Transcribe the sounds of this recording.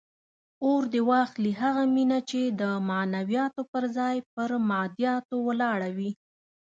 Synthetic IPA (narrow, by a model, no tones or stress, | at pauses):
oɾd̪ewɑxliɦaɣaminat͡ʃed̪əmanawijɑt̪opəɾzɑjpəɾmɑd̪jɑt̪owəlɑɽawi